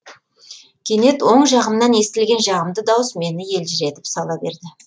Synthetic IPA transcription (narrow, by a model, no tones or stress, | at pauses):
kʲʰe̞ne̞t̪wo̞ɴʒɑʁəmnɑne̞st̪ɪlɡʲe̞nʒɑʁəmd̪əd̪ɑwəsme̞nɪje̞lʒɪɾe̞t̪ɪ̥psɑlˠɑbe̞ɾd̪ɪ